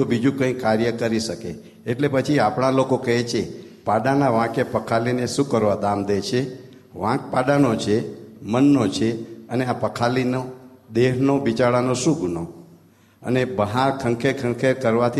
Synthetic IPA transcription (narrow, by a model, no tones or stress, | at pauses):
obid͡ʒũkə̃ĩkaɾjəkəɾiʃəkḛː | ʈlepət͡ʃʰiapɳalokokəɦet͡ʃʰepaɖanaʋãkepəkʰalineʃũkəɾʋad̪amd̪et͡ʃʰe | ʋãk̚paɗanot͡ʃʰemənːot͡ʃʰeəneapəkʰalinod̪eɦnobit͡ʃaɭanoʃũɡuno | ə̰nebəɦaɾkʰəŋkʰekʰə̃ŋkʰekəɾʋat̪ʰi